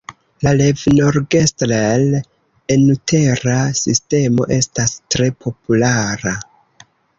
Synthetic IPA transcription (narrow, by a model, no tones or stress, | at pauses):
lalevnoɾɡe̞stɾel | enutʰe̞ɾasiste̞mo̞̰ʔe̞stastɾe̞pʰo̞pulaɾa